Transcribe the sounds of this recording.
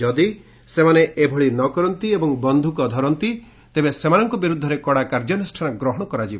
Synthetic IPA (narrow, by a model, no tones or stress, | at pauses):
d͡ʒɔd̪i | semaneebʱɔɭinɔkɔɾɔnt̪iebɔŋbɔnd̪ʱukɔd̪ʱɔɾɔnt̪i | t̪ebesemanɔŋkɔbiɾud̪ʱːɔɾekɔɽakaɾd͡ʒɔnisʈʰanaɡɾɔɦɔɽ̃ɔkɔɾad͡ʒibɔ